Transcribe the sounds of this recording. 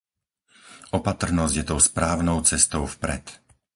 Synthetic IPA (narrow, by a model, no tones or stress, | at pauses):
ʔɔpat̪r̩nɔzɟjɛt̪ɔʊspɾaːʊnɔʊt͡sɛst̪ɔʊfpɾɛ̰t̪